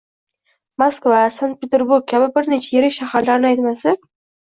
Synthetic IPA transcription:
maskvasand̪̚pʰʲet̪ʰeɾbuɾɡ̚kʲʰabɪbɪɾnet͡ʃʰajeɾɪkʲʃahaɾlaɾnɪajt̪masɪ

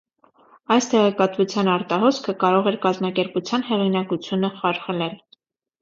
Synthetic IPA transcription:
ɑjst̪ɛʁɛkɑt̪vut͡sʰjɑnɑɾt̪ɑɦɔskʰəkɑɾɔʁɛɾkɑzmɑkɛɾput͡sʰjɑnhɛʁinɑkut͡sʰjunəχɑɾχəlɛl

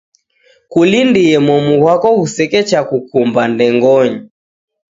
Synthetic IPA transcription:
kulindiɛmɔmuɣwakɔhusɛkɛt͡ʃakukumbandɛŋɡɔɲi

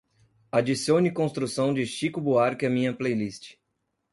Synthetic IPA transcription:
ad͡ʒisiõnɪkõst̪ɾusɐ̃w̃d͡ʒɪʃikʊbuaɾkɪɐmĩɲɐplejlist͡ʃɪ̥

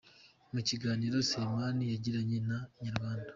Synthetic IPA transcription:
muciɡaːniːɾo̞semanijaɟiɾaɲenaɲaɾɡwaːndḁ

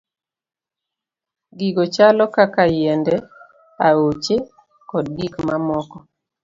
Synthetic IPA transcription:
ɡiɡot͡ʃalɔkakajɛndɛ | aot͡ʃe | kɔd̚ɡikmamɔkɔ

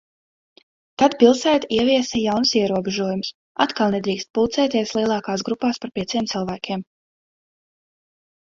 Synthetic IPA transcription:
t̪ad̪pilˠsæːt̪iɛviɛsɛjawnsiɛɾuɔbɛʒuɔjums | a̰t̪kalˠnɛd̪ɾiːkst̪̚pulˠt̪sɛːt̪iɛslˠiɛlˠɑːkaːsɡɾupaːspaɾpʲiɛsiɛmt̪sɨlˠvæːkʲiɛm

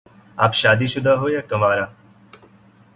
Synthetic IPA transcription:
aːpʃaːd̪iːʃʊd̪ʱaɦoːjakəmaːɾaː

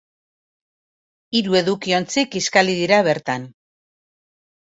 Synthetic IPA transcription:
iɾue̞ðukio̞nt͡sikiskaliðiɾaβe̞ɾt̪an

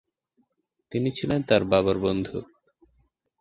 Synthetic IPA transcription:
t̪init͡ɕʰilent̪aɾbaβaɾbond̪ʱu

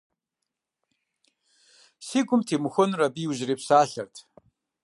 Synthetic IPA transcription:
siːɡʷʊmtʰeːmuxʷʊnrɐbiːwʑreːpsaːɬɐrtʰ

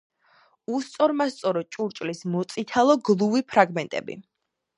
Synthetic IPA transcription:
ust̪sʼɔɾmast̪sʼɔɾɔt͡ʃʼuɾt͡ʃʼlismɔt̪sʼit̪ʰalˠɔɡlˠuvipʰɾaɡmɛnt̪ʼɛ̰bḭ

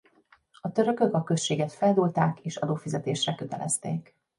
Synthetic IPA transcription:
ɒt̪ø̞ɾø̞kø̞kɒkø̞sʃeːɡɛt̪fɛld̪uːlt̪aːkeːʃɒd̪oːfizɛt̪eːʃrɛkø̞t̪ɛ̰lʔɛ̰st̪ḛːk

